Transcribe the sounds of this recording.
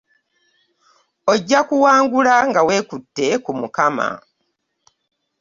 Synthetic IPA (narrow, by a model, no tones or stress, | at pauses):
o̞ɟːakuwaːŋɡulaŋɡawe̞ːkutːe̞kumukama̰